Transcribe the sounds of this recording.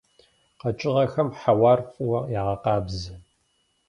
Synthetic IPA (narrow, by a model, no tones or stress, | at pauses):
qɐt͡ʃʼɪʁɐxɐmħawɑːrfʼɨwɐjaːʁɐqɑːbzɨ